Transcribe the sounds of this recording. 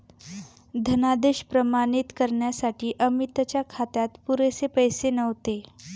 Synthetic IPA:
d̪ʱənad̪eɕpɾəmanit̪kəɾɳjasaʈʰiːʔəmit̪ət͡ɕjakʰat̪jat̪puɾesepəjsenəʋt̪e

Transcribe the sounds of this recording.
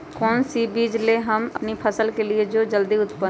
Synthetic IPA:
kɔːnsibiːd͡ʒleɦəmə̰pnipʰəsəlkelied͡ʒod͡ʒəld̪iʊt̪pə

